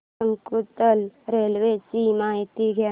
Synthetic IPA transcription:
əŋkɾut̪əlɾeːlʋet͡ʃimaːɦt̪iɡja

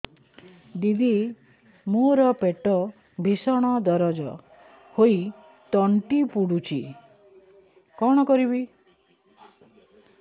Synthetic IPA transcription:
d̪id̪ʱi | moɾɔpeʈɔ | bʱisɔɽ̃ɔd̪ɔɾɔd͡ʒɔ | hoi | t̪ɔɳʈipuɽut͡ʃʰi | kɔɽ̃ɔkɔɾiβi

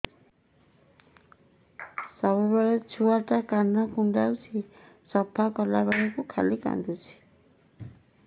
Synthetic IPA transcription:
sɔβɔjbɔlet͡ʃʰuaʈakanːakuɳɖalsʰi | sɔbʱakɔlabaɽekukʰa̰lika̰nd̪ut͡ʃʰi̥

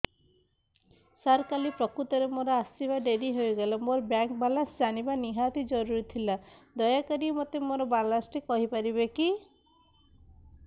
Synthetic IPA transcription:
saɾkalipɾɔkɾut̪ɔɾemoɾɔasibaɖeɾiɦojɡelɔmoɾɔbjaŋk̚balasd͡ʒaɽ̃ibaniɦat̪id͡ʒɔɾuɾit̪ʰilad̪ɔjakaɾiɔmɔt̪emoɾɔbalasʈikɔɦipaɾibeki

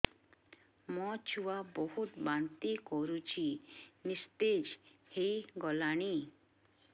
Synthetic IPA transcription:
mɔt͡ʃʰuabɔɦut̪bant̪ikɔɾut͡ʃʰinist̪ed͡ʒhejɡɔlaɽ̃i

